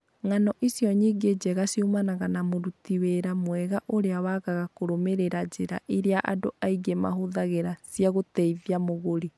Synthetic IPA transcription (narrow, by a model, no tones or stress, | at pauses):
ŋanɔʔisjɔɲiɡed͡ʒɛɣasiumanaɣanamoɾutiweɾamwɛɣaʔoɾeawaɣaɣakoɾomeɾeɾad͡ʑeɾa̰ʔiɾeaʔa̰doʔaiɡema̰ɦoðaɣeɾasjaɣotɛiviamoɣoɾi